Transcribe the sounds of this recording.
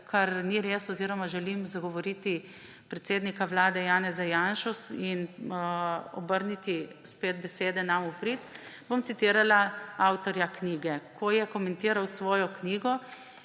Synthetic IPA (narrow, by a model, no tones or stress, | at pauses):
kʰaɾniɾeːsɔziːɾɔmaʒɛlimzaɡɔʋɔɾiːt̪i | pɾɛt̪seːd̪nikaʋlaːd̪ɛjaːnɛzajanʃɔsin | ɔ̰bəɾnit̪ispeːd̪̚bɛseːd̪ɛnamupɾit̪bomt̪it̪iːɾalaawt̪ɔɾjakniːɡɛkʰɔjɛkɔmɛnt̪iːɾawsʋɔːjɔkniːɡɔ